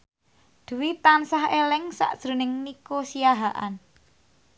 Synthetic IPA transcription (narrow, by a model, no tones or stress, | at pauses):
d̪̥ə̤wit̪ansahelɪŋsa̰ʔd̥ʒ̥ɾo̤nɪŋnikosijaɦaʔa̰n